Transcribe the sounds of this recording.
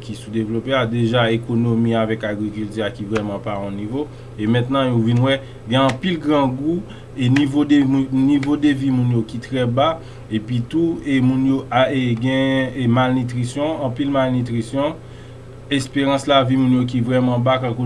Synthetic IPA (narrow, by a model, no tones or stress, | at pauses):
kisud̪evlopead̪eʒaekonomiavɛkaɡʁikylt̪yakivʁɛmɑ̃paɔ̃nivo | emɛ̃t̪nɑ̃jovinwɛ | ɡɛ̃ɑ̃pilɡʁɑ̃ɡu | enivodenivod̪evimũnjokit̪ʁɛba | epɥit̪uemũnjoʔaeɡɛ̃malnit̪ʁisjɔ̃ɑ̃pilmalnit̪ʁisjɔ̃ | ɛspeʁɑ̃slavimũnjok̬ivʁɛmɑ̃bakãko